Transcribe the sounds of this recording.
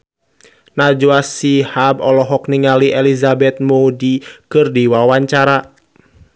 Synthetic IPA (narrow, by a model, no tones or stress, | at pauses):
nad͡ʒuasihabɔlɔɦɔkniŋaliʔelizabɛt̪̚moudikɨrdiwawaɲt͡ʃaɾa